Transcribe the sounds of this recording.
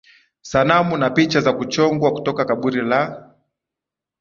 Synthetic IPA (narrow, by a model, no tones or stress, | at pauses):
sanamunapit͡ʃazakut͡ʃɔŋɡwaku̥tɔkakaɓuɾila